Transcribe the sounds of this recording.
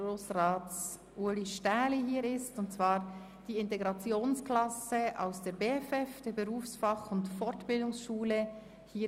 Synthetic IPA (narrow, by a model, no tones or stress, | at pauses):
oːsʁaː | ʔuliʃtaːliɦiːɾɪstʊnt̚t͡svaːɾ | d̥iːɪnteɡʁɑt͡sjoːnsklɑsəʔa̰ʊsd̥eːɐbeːɛfɛfd̥eːɾbəʁuːfsfɑχʊntfɔɹtb̥ɪldʊŋsʃuːlə | hiː